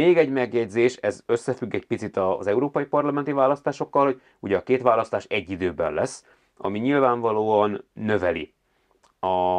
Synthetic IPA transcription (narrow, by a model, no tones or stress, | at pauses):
eːɡɛɟmɛɡjɛɟzeːʃɛzø̞sːɛfyɡːɛc̚pit̪sit̪ɒzɛuɾoːpɒjipɒrlɒmɛnt̪ivaːlɒst̪aːʃo̞kːɒlhoɟ̥̚ | uɟɛːkeːt̪ʋaːlɒst̪aːʃɛɟːid̪øːbɛ̰nlːɛsː | ɒ̰miɲilvaːɱvɒloːɒnːø̞vɛlḭ | ɒ